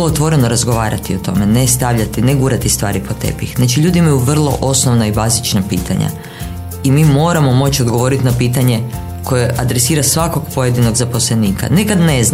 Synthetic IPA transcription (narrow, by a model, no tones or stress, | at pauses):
loot̪ʋo̞ɾe̞no̞ɾazɡo̞ʋaːɾat̪io̞t̪o̞̰me̞ne̞st̪aʋʎat̪ineɡuːɾat̪ist̪ʋa̰ːɾipo̞t̪e̞̰pixnat͡ʃiʎuːd̪imajuʋr̩lˠo̞̰ʔo̞sno̞ʋnaibaːzit͡ʃnapḭːt̪ʰa̰ɲa̰ | imimo̞ɾamo̞mo̞t͡ɕiod̪ɡo̞ʋo̞ɾit̪inapiːt̪aɲe̞ | kʰo̞je̞ʔad̪ɾe̞siːɾasʋako̞ɡpo̞je̞d̪ino̞ɡzapo̞slˠe̞niːka̰nekad̪ne̞zn